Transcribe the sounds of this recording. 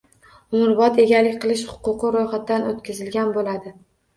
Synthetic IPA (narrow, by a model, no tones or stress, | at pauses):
ʊmʊɾbɒt̪ʰe̞ɡʲalɪkʲqʰɨlˠɪʃhʊ̥qʊqɨɾojχat̪d̪anot̪kʲʰɪzɪlɡʲanbolad̪ɪ